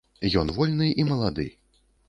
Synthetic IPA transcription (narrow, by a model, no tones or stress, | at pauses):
jɔnvɔlʲnɨʔimɐlˠad̪ɨ̰